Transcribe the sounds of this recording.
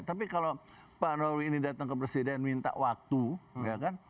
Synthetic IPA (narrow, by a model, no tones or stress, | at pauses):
t̪apikalo | panowiːnidat̪əŋkəpɾesidɛnmint̪a̰ʔwak̚t̪ujakan